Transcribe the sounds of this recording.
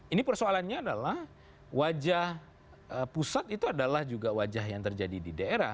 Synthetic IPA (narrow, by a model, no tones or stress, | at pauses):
inipərsoalanɲaːdalah | wad͡ʒah | əpusat̪it̪uadalahd͡ʒuɡawad͡ʒaɦjaŋt̪ərd͡ʒadididaeɾah